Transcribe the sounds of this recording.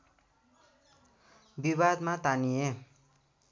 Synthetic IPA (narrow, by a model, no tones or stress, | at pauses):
biβad̪mat̪anie